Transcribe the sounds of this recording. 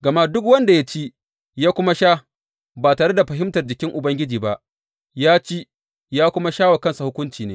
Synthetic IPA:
ɡɐ˨ma˦dʊ˦kwɐ˦nda˨ja˦t͡ʃi˦ | jaː˦kʷʊ˦ma˦ʃaː˦ | baː˨taː˨ɽe˦da˨ɸɐ˨ɦɪ˦mtɐ˨rd͡ʒɪ˨kʲɪ˦ŋʔʊ˨bɐ˦ŋɡʲɪ˦d͡ʒiː˨ba˦ʔ | jaː˦t͡ʃi˦ | jaː˦kʷʊ˦ma˦ʃaː˦wa˨kɐ˦nsa˨hʊ˦kʷʊ˦nt͡ʃiː˨neː˦

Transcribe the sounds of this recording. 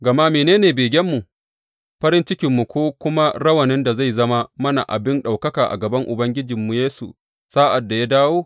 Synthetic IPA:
ɡɐ˨ma˦meː˨neː˦neː˨beː˨ɡʲɛ˦mːu˨ | ɸɐ˦ɾɪ˦nt͡ʃɪ˦kʲɪ˨mːu˨kʷoː˦kʷʊ˦ma˦ɽɐ˦wɐ˨nɪ˦nda˨za˦˨jzɐ˦ma˦mɐ˦na̰˨ʔa̰˨bɪ˦nɗa˨wkɐ˦kaː˨ʔa̰˨ɡɐ˨bɐ˦ŋʔʊ˨bɐ˦ŋɡʲɪ˦d͡ʒɪ˨mːu˨jeː˦sṵ˨ | saː˦ʔa˨dːa˨ja˦daː˦woː˦

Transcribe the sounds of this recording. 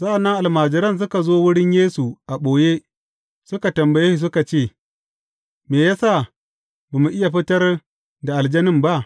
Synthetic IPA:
sa˦ʔa˨nːɐ˦ŋʔa˨lmaː˨d͡ʒɪ˨ɾɐ˦ns̬ʊ˦ka˨zoː˦wʊ˦ɽɪ˦ɲjeː˦su˨ʔa˨ɓoː˨je˦ | sʊ˦ka˨tɐ˨mbɐ˨je˦i˨s̬ʊ˦ka˨t͡ʃeː˦˨ | meː˨jaː˦sa˦˨ | ba˨mu˨ʔɪ˦ja˨ɸɪ˦tɐ˦r | da˨ʔa˨ld͡ʒɐ˦nɪ˦mba˦ʔ

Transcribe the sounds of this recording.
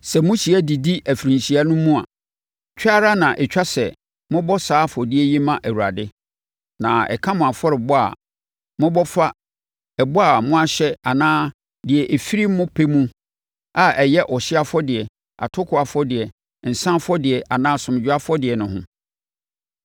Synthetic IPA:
sɛ˨mʊ̃˦ɕi˨æ˦di˨di˦ʔæ˨fɾĩ˨nɕi˨a˦nʊ̃˦mʊ̃˦a̰˨ | t͡ɕᶣa˦ɾa˦nã˨ʔɛ˨t͡ɕᶣa˦sɛ˨ | mʊ̃˦bɔ˦saː˨˦fɔ˨dɪ˦ɛ˦jɛ˦mã˦ʔæ˨wu˨ɾa̰˨dɪ˦ | nã˨ɛ̰˨kʰã˦mʊ̃˨a˨fɔ˦ɾɪ˨bʊ˦a̰˨ | mʊ̃˦bɔ˦fa˦ | ɛ˨bʊ˦a˨mʊ̃˦a˦ɕɛ˦a˨nãː˦ | dɪ˨ɛ˨ʔe˨fi˦ɾi˦mʊ̃˦pʰe˦mũ˦ | a˦ʔɛ˨jɛ˦ʔɔ˨ɕɪ˦a˦fɔ˦dɪ˨ɛ˨ | a̰˨tʰʊ˦kʰʊ˨a˨fɔ˦dɪ˨ɛ˨ | n̩˨sã˦fɔ˦dɪ˨ɛ˨ʔa˨nãː˦sʊ̃˨m˨d͡ʑᶣa˦fɔ˦dɪ˨ɛ˨nʊ̃˨ɦʊ̰̃˨

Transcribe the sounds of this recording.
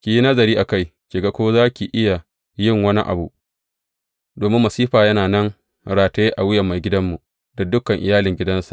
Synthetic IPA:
kʲi˨ji˦nɐ˦zɐ˨ɾiː˦ʔa˨ka˦jʃʲe˨ɡa˦kʷoː˦zaː˦kʲi˨ʔɪ˦ja˨ | jɪ˦˨ŋwɐ˦nḭ˦ʔa̰˨bu˦˨ʔ | doː˨mɪ˦mːɐ˨siː˦ɸaː˨jɐ˦naː˨nɐ˦ŋ | ɽaː˨ta˦e˦ʔa˨wɪ˦jɐ˨mːa˨jɡʲɪ˦dɐ˦mːu˨ | da˨dʊ˦kɐ˨ŋʔɪ˨jaː˦lɪ˨ŋɡʲɪ˦dɐ˦nsḁ˨ʔ

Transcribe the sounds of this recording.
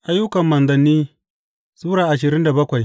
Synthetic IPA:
ʔa˦jːʊ˦kɐ˨mːɐ˨nzɐ˨nːiː˦ | suː˦ɾaː˨ʔa˨ʃ̬ɪ˨ɾɪ˦nda˨bɐ˦kʷa˨j

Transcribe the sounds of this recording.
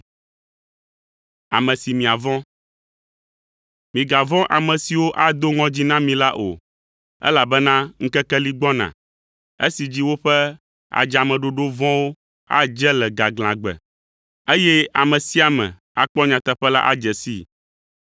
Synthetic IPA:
a̰˨mɛ̃˨si˨mĩ˨a˨vɔ̃˦ | mĩ˨ɡa˨vɔ̃˦ʔa˨mɛ̃˨si˨wo˦ʔa˦d̪o˦ŋɔ̃˦d͡ʑi˦nã˦mĩ˨la˦ʔo̰˨ | ɛ̰˦la˨bɛ˦nã˦ŋ̩˦kɛ˦kɛ˦li˦ɡ͡bɔ̃˦nã̰˨ | ḛ˦si˨d͡ʑi˦wo˦ɸɛ˦ | a̰˨d͡ʒa˨mɛ̃˨ɖo˨ɖo˦vɔ̃˦wo˦ | a̰˦d͡ʒɛ˦lɛ˨ɡa˨ɡl̃ã˨ɡ͡bɛ̰˨ | e˦jɛ˦a˨mɛ̃˨si˦a˨mɛ̰̃˨ | a˨k͡pɔ˦ɲã˨t̪ɛ˨ɸɛ˦la̰˦ʔa˦d͡ʒɛ˨sḭ˦

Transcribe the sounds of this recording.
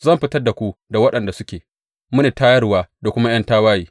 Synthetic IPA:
zɐ˦mɸɪ˦tɐ˦rda˨kʷu˦da˨wɐ˦ɗɐ˨nda˨sʊ˦kʲeː˨ | mʊ˦neː˨taː˦jɐ˦rwaː˦da˨kʷʊ˦ma˦j̰ɐ˦ntaː˦waː˦jiː˦

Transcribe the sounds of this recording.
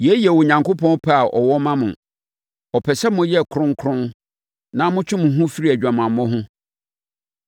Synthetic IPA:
jɛ˦jɛ˨wɔ˨ɲã˨ŋko˦pʰɔ̃˦n˦pʰa˦a˨ʔɔ̰˨wɔ˦mã˦mʊ̃˨ | ɔ˨pʰɛ˨sɛ˦mʊ̃˦jɛ˦˨kʰɾʊ̃˦ŋkʰɾʊ̃˦n | nã˦mʊ̃˦t͡ɕʰᶣʊ̃˦mʊ̃˨ɦʊ̃˦fi˦ɾi˦æ˨d͡ʑᶣã˨mã˨m˨mɔ̃˦ɦʊ̃˦

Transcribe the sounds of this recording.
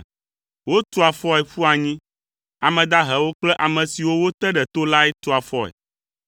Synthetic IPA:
wo˦t̪o˦a˨fɔ˦ɛ˨ɸu˦a˨ɲĩ˦ | a˨mɛ̃˨d̪a˦ɦɛ˨wo˦k͡plɛ˦ʔa˨mɛ̃˨si˨wo˦wo˦t̪ɛ˦ɖɛ˨t̪o˦la˦ɛ˦t̪o˦a˨fɔ˦ɛ̰˨

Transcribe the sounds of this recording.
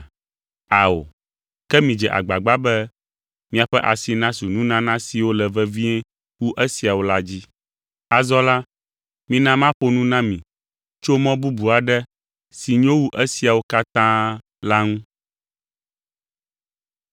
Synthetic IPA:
a˨o̰˨ | kɛ˦mĩ˨d͡ʒɛ˨ʔa̰˨ɡ͡ba˨ɡ͡ba˦bɛ˦ | mĩ˦a˨ɸɛ˦ʔa˨si˨nã˦su˨nũ˦nã˦nã˦si˨wo˦lɛ˨vɛ˦vĩ˦ɛ˦ | wu˦ʔe˦si˨a˨wo˦la˦d͡ʑi˦ | a˨zɔ˦la˦ | mĩ˦nã˦mã˦ɸo˦nũ˦nã˦mĩ˨ | t͡ʃo˦mɔ̃˦bu˦bu˨a˨ɖɛ˦ | si˨ɲõ˦wu˦ʔe˦si˨a˨wo˦ka˦t̪ã˦ | la˦ŋũ˦

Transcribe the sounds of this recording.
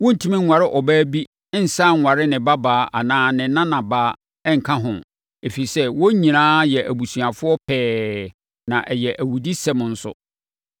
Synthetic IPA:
wɔ̃˦n̩˨tʰũ˦mĩ˦ŋ̩˨wa˨ɾɪ˦ʔɔ˨bæː˦bi˦ | n̩˨sã˦˨ŋ̩ʷ˨a˨ɾɪ˦nɪ̃˨ba˦baː˨˦ʔa˨nãː˦nɪ̃˨˦nã˦nã˨baː˨˦ | ɛ˦ŋ̩˨kʰã˦ɦʊ̃˨ | e˨fi˨sɛ˦wɔ˦ɲĩ˨nãː˦jɛ˨ʔæ˨bu˨sɥa˨fʊ˦ɔ˦pʰɛː˦ | nã˨ʔɛ˨jɛ˨ʔæ˨wu˨di˦sɛ˦m̃˨n̩˦sʊ̰˦

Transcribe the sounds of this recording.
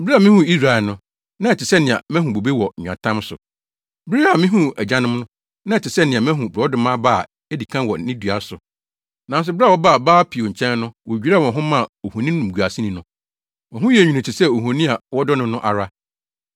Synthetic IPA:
ba˨mɪ̃˦hũ˦i˦s̬ɾa˨ɛ˨nʊ̃˦ | nã˦ɛ˨tɪ˨sɛ˦nɪ̃˨a̰˨mɛ̃˦ɦũ˨bo˨be˦wɔ˨ã̰˨tʰã˦m˦sʊ̰˨ | bɪ˦ɾi˦a˨mɪ̃˦ɦũ˦ɛ˨d͡ʑã˦nɪ̃˦m˦nʊ̃˦ | nã˦ɛ˨tʰɪ˨sɛ˦nɪ̃˨a˨mɛ̃˦ɦũ˨bɾɔ˦dʊ̃˦mã˦baː˦˨ | ɛ˦di˨kʰã˦wɔ˨˦nĩ˦du˨a˦sʊ˨ | nã˨n˦s̬ʊ˨˦bɪ˦ɾwɔ˦ba˦˨baː˦pʰi˨o˨ɲ̩˨t͡ɕʰɛ̃˦n˦nʊ̃˦wɔ˨d͡ʑᶣi˨˦ɾa˦˨wɔ̃˨ɦʊ̃˦mã˦˨o˨hõ˨nĩ˦nʊ̃˨m̩˨ɡu˨a˨sĩ˦nĩ˨nʊ̃˦ | wɔ̃˨ɦʊ̃˦jɛ˨ɲᶣi˨nĩ˨t͡ɕʰɪ˨sɛ˦o˨ɦõ˨nĩ˦a˨wɔ˦dɔ˦nʊ̃˦nʊ̃˦ʔa̰˨ɾa˦

